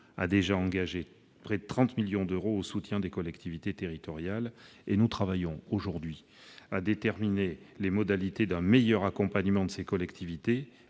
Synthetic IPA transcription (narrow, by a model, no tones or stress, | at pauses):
a̰d̪eʒaɑ̃ɡaʒe | pχɛd̪ət̪χɑ̃t̪miljɔ̃d̪øʁoosut̪jɛ̃d̪ekɔlɛkt̪ivit̪et̪eʁit̪ɔʁjalenut̪χavajɔ̃oʒuʁd̪ɥi | ad̪et̪ɛʁminelemɔd̪alit̪ed̪ɛ̃mejœʁakɔ̃paɲəmɑ̃d̪əsekɔlɛkt̪ʰivit̪e